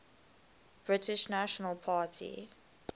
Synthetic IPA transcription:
b̥ɹɪtʰɪʃnaʃənəlˠpʰaːtʰḭ

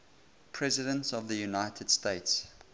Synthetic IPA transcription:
pʰɹ̥ɛzɪdə̃ntsɔvðəjunaɪtʰəd̥steɪts

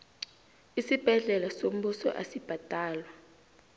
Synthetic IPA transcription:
isib̥ʱɛɮɛlasom̩ɓusɔ̰ʔa̰sib̥ʱad̥ʱaːlwa

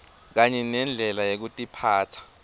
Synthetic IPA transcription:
k̬aɲɛnɛnd͡ɮʱɛlajek̬utʼipʰaːtʰḁ

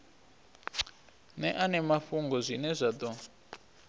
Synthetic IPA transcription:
nɛʔanɛmafuŋɡɔzʷinɛzʷad̪ɔ

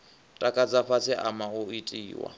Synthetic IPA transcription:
tʼakʼad͡zafat͡sʰɪʔamaʊitʼḭːwa̰

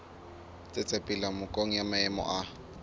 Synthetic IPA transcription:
t͡sʼet͡sʼepʼɪlamʊkʼoŋ̩jamaɛmɔ̰ʔa

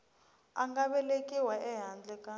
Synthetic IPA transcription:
aŋɡaɓɛlekʼiwaʔɛɦand͡ɮʱɛkʼa

